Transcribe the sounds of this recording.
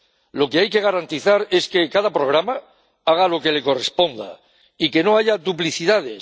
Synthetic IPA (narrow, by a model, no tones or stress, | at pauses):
lo̞keajke̞ɣ̞aɾant̪iθaɾe̞ske̞kaðapɾo̞ɣ̞ɾama | aɣ̞alo̞ke̞le̞ko̞re̞spo̞nd̪a̰ | ike̞no̞aʝaðupliθiðaðe̞